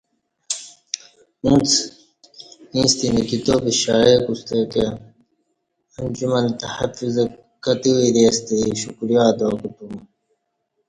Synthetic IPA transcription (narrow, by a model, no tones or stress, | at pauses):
ũːt͡s | ĩːst̪inikit̪oːpiɕaːjeːkust̪eːke | ɐnd͡ʑumɐnt̪ɐhɐfuzɐ | kɐt̪iwiɾeːst̪iiɕukɾijaːd̪oːkut̪u